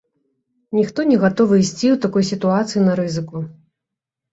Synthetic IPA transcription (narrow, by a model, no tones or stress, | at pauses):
nʲixt̪ɔnʲɛɣat̪ɔvɨisʲt͡sʲiwt̪akɔjsʲit̪uat̪sɨjinɐɾɨzɨku